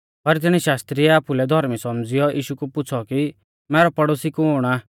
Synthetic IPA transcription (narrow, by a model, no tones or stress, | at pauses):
pɐɾt̪̬ɪɽ̃iʃaːst̪ɾiɛaːpulɛd̪ʱɔɾmisɔmd͡zɪjɔʔiːʃukupʊt͡sʰɔki | mɛːɾɔpɐɽoːsikuɦoːɽ̃aː